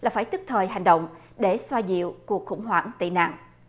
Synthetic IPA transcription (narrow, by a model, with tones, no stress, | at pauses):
laː˨˩faː˧˦jt̪ɨ˦˥k̚t̪ʰəː˨˩jɦa˨˩jŋ̟ɗə̰˧˨wŋ͡m | ɗe˧˩swaː˧zḭ˧˨əwku˨˩ək̚xʊ̰˧˥ŋ͡mɦwaː˧˩ŋt̪ḭ˧˨na̰ː˧˨ŋ